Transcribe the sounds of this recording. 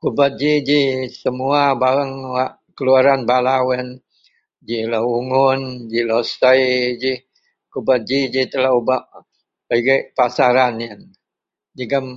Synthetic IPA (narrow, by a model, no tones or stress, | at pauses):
kubat̪̚d͡ʒid͡ʒisəmuabaɾəŋwaʔ | kəluaɾanbalawɛn | d͡ʒilauŋʊnd͡ʒilosajd͡ʒi | kubat̪̚d͡ʒid͡ʒit̪əlaubaʔ | baɡəʔpasaɾaniən | d͡ʒiɡam